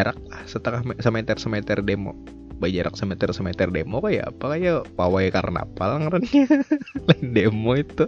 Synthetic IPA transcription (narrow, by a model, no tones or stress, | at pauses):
aɾak̚lahsət̪əŋahmsəmet̪ɛrsəmet̪ɛrdemo̰ | bad͡ʒaɾʔa̰ksəmet̪ɛrsəmet̪ɛrdemokaja̰ːpakajapawajkarna̰palaŋaɾanɲlandemoit̪u